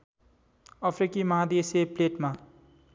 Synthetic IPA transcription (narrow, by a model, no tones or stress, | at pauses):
ʌpʰɾikimʌɦad̪isepleʈma